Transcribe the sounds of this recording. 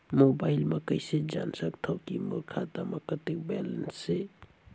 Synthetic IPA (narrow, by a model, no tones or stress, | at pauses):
mobajlmɐkəjsed͡ʒa̰nsək̚t̪ʰawkimuɾkʰat̪amakət̪ik̚bɛlənsːe